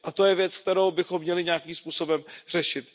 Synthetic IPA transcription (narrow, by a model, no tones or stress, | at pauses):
ʔat̪o̞jɛvjɛt͡sk̚t̪ɛɾowbɪxo̞mːɲɛlɪɲaːkiːmspuːsobɛmr̝̥ɛʃɪt̪